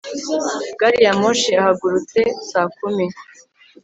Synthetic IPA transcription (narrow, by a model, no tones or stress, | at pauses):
ɡ̥aɾijamoʃiahaɡuɾut͡se̞saːkumi